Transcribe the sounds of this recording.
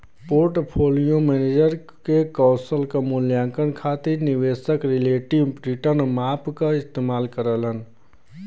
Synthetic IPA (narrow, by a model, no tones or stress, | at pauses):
poɾʈpʰolijomɛned͡ʒəɾ | kekɔ̃ʊsəlkamuljãŋkənkʰat̪iɾniʋesəkɾileʈiʋpɾiʈənmapkaɪst̪emaːlkəɾələn